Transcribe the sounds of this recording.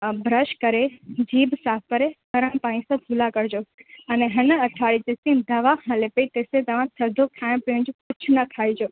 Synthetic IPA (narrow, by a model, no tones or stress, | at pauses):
bʱɾəʃkəɾed͡ʒiːbsaːfkəɾek̪əɾəɳpãĩsə̃bʱulakəɾd͡ʒoːəneɦənəəʈʰaɭid͡ʒ̪esĩnd̪əʋahʰãlepeit̪esed̪əʋãsʰəɾd̪ʱokʰãɳ̃piə̃nd͡ʒpʊt͡ʃʰnəkʰaid͡ʒoː